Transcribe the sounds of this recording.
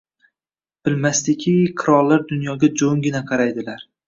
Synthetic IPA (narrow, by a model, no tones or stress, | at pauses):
b̥ɪlmast̪ɪkʲʰiqʰɨɾɒlˠːaɾd̪ʊnjɒɡʲad͡ʒoŋɡʲɪnaqʰɑɾajd̪ɪlaɾ